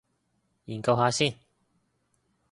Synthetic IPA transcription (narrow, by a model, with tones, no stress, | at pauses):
jiː˨˩nkɐ˧wɦaː˨˧siː˥˩˨n